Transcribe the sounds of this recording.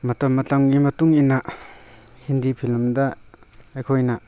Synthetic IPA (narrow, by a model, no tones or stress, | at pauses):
mɐtɐmːɐtɐŋɡimɐtuŋina | hindipʰilmdɐɐjkʰojnɐ